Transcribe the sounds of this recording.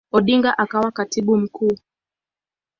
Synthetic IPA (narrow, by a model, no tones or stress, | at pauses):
ɔɗiŋɡaʔakawakatiɓum̩kuː